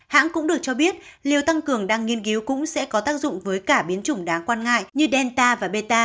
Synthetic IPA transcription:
ha̰ː˧˥nkʊ̰˧˥ŋ͡mɗɨ˨˩ək̚t͡ɕɔ˧ɓi˦˥ət̚ | li˨˩əwt̪a˧ŋkɨ˨˩əŋɗaː˧ŋːi˧ənki˨˦wkʊ̰˧˥ŋ͡msɛ̰˧˥kɔ˨˦t̪aː˦˥k̚zʊ̰˧˨ŋ͡mvəː˨˦jkaː˧˩ɓi˨˦ənt͡ɕʊ˧˩ŋ͡mɗaː˨˦ŋkwaː˧nŋa̰ː˧˨jɲɨ˧ɗɛ˧nt̪aː˧vaː˨˩ɓe˧t̪aː˧

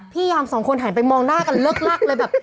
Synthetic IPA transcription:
pʰiː˥˩jaː˧msɔː˩˦ŋkʰo˧nɦa˨˩˦npa˧jmɔː˧ŋnaː˥˩ka˧nlɤː˥˩k̚la˥˩k̚lɤː˧jbɛː˨˩p̚

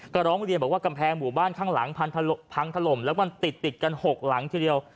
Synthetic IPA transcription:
ka˧˩ɾɔː˦˥ŋɾi˧nbɔː˨˩waː˥˩ka˧mpʰɛː˧ŋmuː˨˩baː˥˩nkʰaː˥˩ŋla̰˩˦ŋpʰa˧nt̪ʰa˧pʰa˧ŋt̪ʰa˧˩lo˨˩mlɛ˦˥wkɔ˧nt̪i˨˩t̪ːi˨˩t̪̚ka˧nho˨˩k̚la˩˦ŋt̪ʰi˧di˧əw

